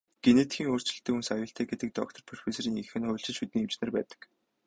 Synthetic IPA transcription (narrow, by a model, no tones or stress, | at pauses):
ɡ̥eneːt̪xiːŋoːr̥t͡ɕɪ̆ɬt̪ɘ̆kunsajʊːɬt̪ʰæːɡet̪ə̆k̚t̪ɔ̰k̚t̪ʰɞ̆rpʰɔr̥feːsɾiːŋixɘ̆nχʊːɬt͡ɕɪ̆ɮʃut̪ĭːŋewt͡ɕnĕːrpæ̰ːt̪ə̥̆k